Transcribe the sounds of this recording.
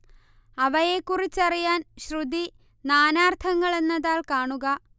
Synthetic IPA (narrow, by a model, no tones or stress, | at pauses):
ɐʋɐjekːurit͡ɕːɐrijaːnɕrud̪i | naːnaːrt̪ʰɐŋːɐɭe̞nːɐðaːlkaːɳuɣɐ